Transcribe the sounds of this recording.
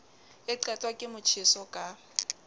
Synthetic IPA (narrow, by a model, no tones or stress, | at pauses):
ɪǃatʼwakʼɪmʊt͡ʃʰɪsɔkʼa